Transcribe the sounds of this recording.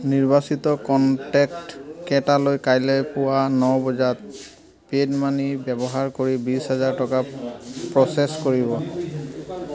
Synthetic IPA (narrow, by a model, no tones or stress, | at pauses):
niɹbasit̪ɔkɔntɛktkɛtalojkajlɛjpʊwanɔbɔzat̪̚ | pedmanibɛbɔɦaɹkoɹibisɦazaɹtɔkapɹɔseskoɹibɔ